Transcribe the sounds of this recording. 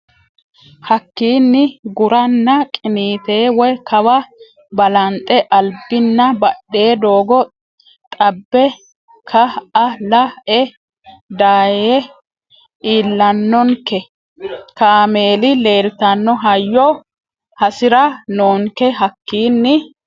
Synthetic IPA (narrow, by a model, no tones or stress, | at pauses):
hɐkːiːnːɪɡʊɾɐnːɐkʼɪniːt̪e̞ːwɔjkʰɐwɐ | bɐlɐnt̪ʼːɛʔɐlbɪnːɐbɐɗːe̞ːd̪o̞ːɡɔ | t̪ʼɐbːɛ | kʰɐɐlɐʔɛ | d̪aːjeː | ʔiːlːɐnːɔŋkɛ | kaːme̞ːlɪle̞ːɾɪt̪ɐnːɔɦɐjːɔ | hɐsɪɾɐnoːŋkɛɦɐkːiːnːɪ